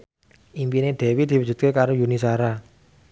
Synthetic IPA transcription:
ʔimpineɖ̪̥ɛ̤wid̪̥iwu̥d͡ʒ̥ṳt̪̚kekaɾojunisaɾa

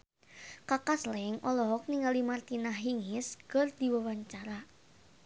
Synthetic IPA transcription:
kakaslɛŋʔɔlɔɔk̚niŋalimart̪inahɦiŋɪskɨrd̪iwawaɲt͡ʃaɾa

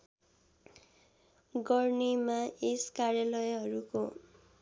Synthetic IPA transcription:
ɡʌrnemaeskaɾjalʌjɦʌɾuko

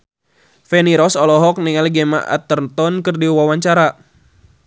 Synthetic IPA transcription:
fɛniɾɔsɔlɔɦɔk̚niŋalɡema̰ʔa̰t̪ərt̪ɔnkɨrdiwawaɲt͡ʃaɾa

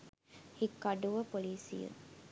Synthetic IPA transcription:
hikːɐɖuʋɐpoliːsḭjṵ

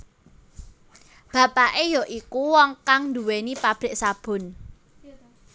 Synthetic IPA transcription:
b̥a̤paʔejɔʔikuwɔŋkaŋnd̪uwenipab̥ɾɪ̤ʔsab̥ʊ̤n

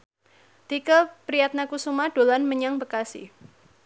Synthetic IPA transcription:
t̪ikəpɾijat̪̚nakusumad̥olanməɲaŋbəkasḭ

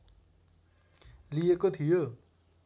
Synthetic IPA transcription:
lijekot̪ʰijo

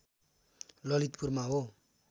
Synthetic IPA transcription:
lʌlit̪̚purmaɦo

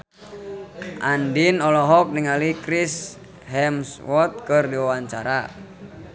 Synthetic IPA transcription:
ʔandinɔlɔɦɔk̚niŋalikɾis | hɛmswɔt̪̚kɨrdiwawaɲt͡ʃaɾa

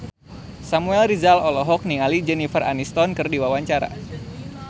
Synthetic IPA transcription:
samuɛlrizalɔlɔɦɔk̚niŋalid͡ʒɛnifəra̰nist̪ɔnkɨrdiwawaɲt͡ʃaɾa̰

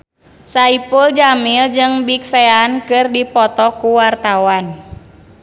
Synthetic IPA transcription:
saipuld͡ʒamild͡ʒɨŋbik̚seankɨrdipɔt̪ɔkuwart̪awan

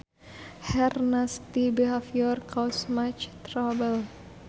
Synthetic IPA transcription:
hɛrnast̪ibiafjɔrkʰɔsmat͡ʃt̪ɾabəl

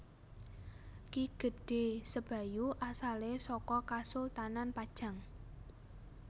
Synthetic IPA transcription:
kiɡ̥ə̤d̥e̤səb̥a̤juʔasalesɔkɔkasʊlt̪ananpad̥ʒ̥a̤ŋ

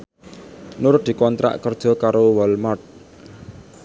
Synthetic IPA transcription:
nʊɾʊt̪̚d̪̥i̤kɔnt̪ɾa̰ʔkərd̥ʒ̥ɔ̤kaɾowɔlmart̪̚

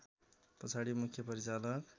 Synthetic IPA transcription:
pʌt͡sʰaɽimukʰjʌpʌɾit͡salʌk

